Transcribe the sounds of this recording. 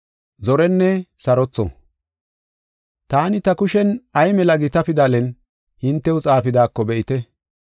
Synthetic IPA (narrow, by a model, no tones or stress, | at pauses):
zɔɾɛnːɛsɐɾɔt͡sːɔ̰ | t̪aːnɪt̪ɐkʊʃɛnɐjmɛlɐɡɪt̪ɐpɪd̪aːlɛn | hɪnt̪ːɛʊt͡sʼaːfɪd̪aːkːɔbɛʔɪt̪ɛ